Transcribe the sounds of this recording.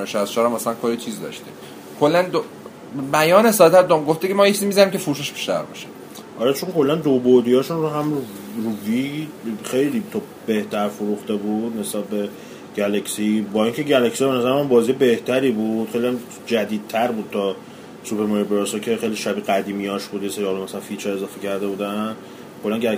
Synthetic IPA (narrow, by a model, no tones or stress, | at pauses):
ʃæst͡ʃʰɒːɾæmːæsælænkʰoɾit͡ʃʰiːzd̪ɒ̰ʃt̪ḭm | kʰolːænd̪o | bæjɒːnesɒːd̪et̪æɾd̪omɡoft̪ecemɒːjet͡ʃʰizimizæniːmkcʰefuɾuːʃæʃbi̥ʃt̪æ̰ɾbɒ̰ʃe̥ | ʔɒːɾɛt͡ʃʰoŋkʰo̞lːænd̪obod̪iɒːʃunroɦæmu | ruvixejliːt̪ʰɔ | be̞ht̪ʰæɾfoɾuxt̪ebuːd̪ne̞sbæb̚be̞ | ɟ̥ælæcsibɒːiːŋcʰeɟælæcsibenæzæɾæmænbɒːzijebe̞ht̪ʰæɾiːbud̪̥xejliæn | d͡ʒæd̪iːd̪̚t̪ʰæɾbuːd̪̚t̪ʰɒ | supʰe̞ɾmoɾibeɾɔsɒcʰe̞χejliʃæbiɡæd̪iːmiɒːʃbuːd̪jeseɾiɒlomæsælænfit͡ʃʰɛe̞zɒːfecʰæɾd̪e̞buːd̪æn | kʰolːænɟæ